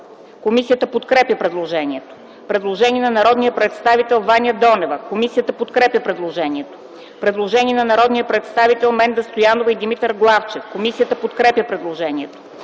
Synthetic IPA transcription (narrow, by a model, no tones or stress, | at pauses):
komisijət̪əpot̪kɾɛpjəpɾɛd̪lˠoʒɛnʲiɛt̪o̥ | pɾɛd̪lˠoʒɛniɛnɐnɐɾɔd̪nijəpɾɛt̪st̪avit̪ɛlˠvanʲjəd̪ɔnɛvəkomisijət̪əpot̪kɾɛpʲjəpɾɛd̪lˠoʒɛnʲiɛt̪o̥ | pɾɛd̪lˠoʒɛniɛnɐnɐɾɔd̪nijəpɾɛt̪st̪avit̪ɛlˠmɛnd̪ɐst̪ojanovəid̪imit̪əɾɡlˠaft͡ʃɛfkomisijət̪əpot̪kɾɛpjəpɾɛd̪lˠoʒɛniɛt̪o̥